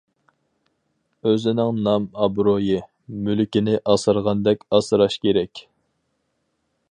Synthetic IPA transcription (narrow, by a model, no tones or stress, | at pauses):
øzɪnɪŋnɑmɑbɾojɨ | mylɪkʲinɪʔɑsɨɾʁɑnd̪ɛkʲɑsɨɾɑʃkʲʰeɾɛkʲ